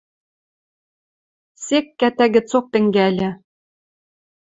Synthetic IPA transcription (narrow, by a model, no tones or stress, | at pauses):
sekːæt̪æɡɘ̆t͡sok̚t̪ɘ̆ŋɡælʲɘ̆